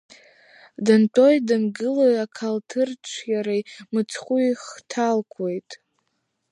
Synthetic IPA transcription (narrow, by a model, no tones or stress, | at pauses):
dɨntʰʼo̞jdɨnɡɨlajakʰaltʰɨrt͡ʃʷʰjaɾajmɨt͡sʰχʷujχtʰalkʷʰwe̞jtʼ